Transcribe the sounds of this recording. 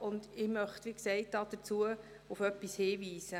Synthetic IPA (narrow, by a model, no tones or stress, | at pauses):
ʊndɪmœχtʋiksɛɪt̚dɑːd̥ət͡suə | ʊfœpːishiːʋiːsə